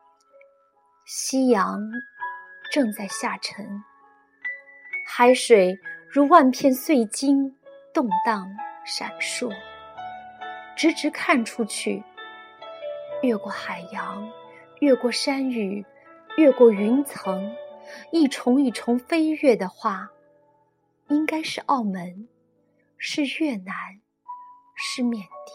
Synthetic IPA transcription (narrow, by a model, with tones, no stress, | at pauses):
ɕi˥jɑ˧˥ŋ | ʈ͡ʂɤ˥˧ŋt͡sa˥˧ɪɕja˥˩ʈ͡ʂʰə˧˥ŋ | xa˧˥ɪʂwe˨˩ɪɻu˧˥wa˥˧npʰjɛ˥˧nswe˥˩ɪt͡ɕi˥nt̪ʊ˥˧ŋt̪ɑ˥˩ŋʂa̰˨˩nʂwɔ˥˩ | ʈ͡ʂɻ̩˧˥ʈ͡ʂɻ̩˧˥kʰa˥˩nʈ͡ʂʰu˥t͡ɕʰy˥˩ | ɥɛ˥˧kwɔ˥˩xa˨˩ɪjɑ˧˥ŋ | ɥɛ˥˧kwɔ˥˩ʂa˥ny˨˩ | ɥɛ˥˧kwɔ˥˩y˧˥nt͡sʰɤ˧˥ŋ | i˥˩ʈ͡ʂʰʊ˧˥ŋi˥˩ʈ͡ʂʰʊ˧˥ŋfe˥ɪɥɛ˥˩d̪ə˩xwa˥˩ | i˥ŋka˥ɪʂɻ̩˥˧ʔɑ˥˩ʊmə˧˥n | ʂɻ̩˥˧ɥɛ˥˩na˧˥n | ʂɻ̩˥˩˧mjɛ˥˩nt̪i˥˩